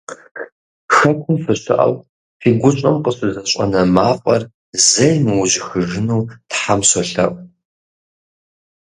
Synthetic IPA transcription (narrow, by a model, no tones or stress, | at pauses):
xɐkʷʰʊmfɨɕɪ̰ʔɐ̰w | fiːɡʷʊt͡ʃʼɐmqəɕɨzɐɕʼɐ̰nɐmaːfʷʼɐr | zɐjmɨwʑɪxɨʒɨnuwtħamsɔɬɐʔʼ